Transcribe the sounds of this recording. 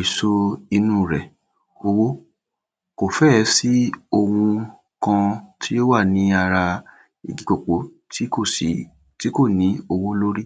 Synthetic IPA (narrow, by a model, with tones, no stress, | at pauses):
i˨so˧i˧nũː˦˨ɾɛ˨ | o˧wo˦ | ko˨fɛ˦˨˦si˦o˧wũ˧ | kã˧tʰi˦jo˦wa˦˨nĩ˨˦a˧ɾa˧ | ḭ˧ɡi˨˦k͡po˨k͡po˨˦ | tʰi˦ko˦˨si˨˦ | ti˦ko˦˨nĩ˨˦o˧wo˦lo˦ɾi˦